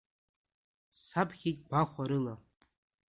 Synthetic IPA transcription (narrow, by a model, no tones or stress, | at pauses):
sapʰχʲitʼbaχʷaɾɨla